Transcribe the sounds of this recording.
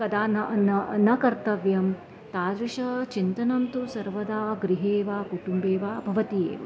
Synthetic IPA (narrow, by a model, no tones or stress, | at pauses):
kɐd̪aːnɐnɐnɐkɐɾt̪ɐʋjɐm | t̪aːd̪ɾiʂɐt͡ʃint̪ɐnɐmt̪usɐɾʋɐd̪aːɡɾiɦeːʋaːkuʈumbeːʋaːbʱɐʋɐt̪ijḛːʋɐ̰